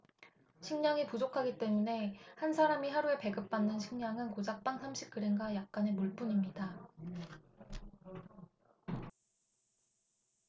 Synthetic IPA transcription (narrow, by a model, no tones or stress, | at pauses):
ɕʰiŋɲaŋipud͡ʑokʰaɡit͈e̞mune̞hansʰaɾamiɦaɾue̞pe̞ɡɯp̚p͈anːɯnɕʰiŋɲaŋɯnkod͡ʑak̚p͈aŋsʰamɕʰi̥k̚k͈ɯɾeŋɡajak̚k͈anemuɭp͈uɲimɲida